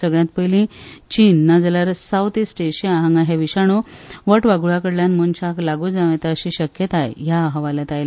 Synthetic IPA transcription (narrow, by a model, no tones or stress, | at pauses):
səɡɭjãt̪̚pəjlĩt͡ɕiːnːad͡zəlaɾsawt̪isʈeɕiaɦãŋɡaɦeʋiɕaɽ̃oʋəʈʋaɡuɭakəɽljanmənt͡ɕaklaɡud͡zaʋẽt̪aəɕiɕəkjət̪aḛɦjaɦəʋaljat̪ajla